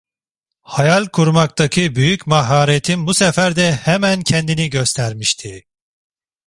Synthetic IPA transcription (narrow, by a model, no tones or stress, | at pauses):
hajalʲkʰuɾmak̚t̪ʰacʰɯbyjycmaɦaːɾet̪ʰinbusɛfæɾd̪ɛhɛmæncʰɛnd̪iniɟøst̪ʰæɾmiʃt̪ʰi